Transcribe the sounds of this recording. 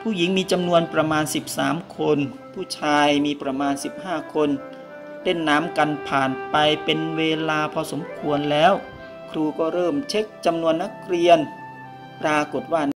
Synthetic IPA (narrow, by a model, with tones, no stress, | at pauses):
pʰuː˥˩ji˨˩˦ŋmiː˧t͡ɕa˧mnu˧ənpɾa˧maː˧nsi˨˩p̚saː˩˦mkʰo˧n | pʰuː˥˩t͡ɕʰaː˧jmiː˧pɾa˧maː˧nsi˨˩p̚haː˥˩kʰo˧n | deː˥˩nːaː˦˥˨mka˧npʰaː˨˩npa˧jpe˧nweː˧laː˧pʰɔ˧so˩˦mkʰu˧ənlɛː˦˥˩w | kʰɾuː˧kɔː˥˩ɾɤː˥˩mt͡ɕʰe˦˥k̚t͡ɕa˧mnu˧ənːa˦˥˩k̚ɾi˧ən | pɾaː˧ko˨˩t̪̚waː˥˩